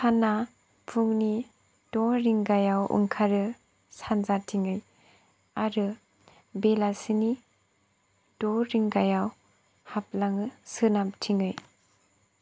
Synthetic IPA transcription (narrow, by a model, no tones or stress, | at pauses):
sana | pʰuŋni | d̥ɔɾiŋɡajawṵŋkʰaɾɯ | sanzatʰiŋɯj | aɾɯ | belasini | d̥ɔɾiŋɡajaw | hap̚laŋɯsɯnap̚tʰiŋɯj